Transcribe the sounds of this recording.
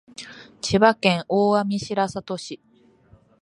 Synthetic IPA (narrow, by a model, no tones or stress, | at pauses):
t͡ɕibakẽ̞ɰʔoːamʲiɕiɾasat̪o̞ɕi